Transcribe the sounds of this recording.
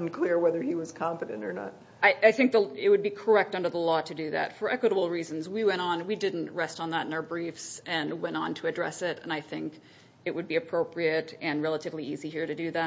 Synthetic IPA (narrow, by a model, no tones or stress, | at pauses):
nkʰl̥ɪɹwɛðə˞iwʌz̥kʰɑ̃mpɨɾɨ̰̃ntə˞nə̰t̚ | aɪʔaɪθɪ̃ŋk̚ðəɪt̚wɨd̚bikʰə˞ɛk̚tʌ̃ndə˞ðəlɔɾɨdɨðæ̰tfə˞ʔɛkwəɾəbl̩ˠɹizn̩zwiwɛ̃ɾ̃n̩widɪdⁿn̩ʔɹɛstn̩ðəɾɨ̃n̩aʊ˞bɹifsɨ̃nwɛ̃ñn̩tʰɨɨdɹɛ̰sɪɾɨ̃naɪθɪ̃ŋk | ɨʔ̚wɨd̚biɨpʰɹ̥oʊpɹiɨɾɨ̃nɹɛlˠəɾɨvliiziɦiɹɾɨdɨðæ